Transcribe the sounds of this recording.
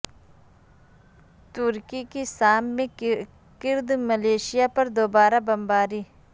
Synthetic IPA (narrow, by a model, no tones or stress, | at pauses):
t̪ʊɾkikisaːmːẽ | kɪɾd̪məleːʃɪjapɐɾd̪oːbaːɾabɐmbaːɾiː